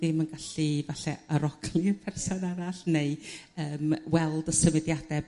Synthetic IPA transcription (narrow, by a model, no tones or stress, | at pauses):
dɪmənɡaɬivaɬɛəɾɔɡlˠiəpʰɛrsɔnaɾaɬneɨəːmwɛlˠdəsəmɪdjadɛ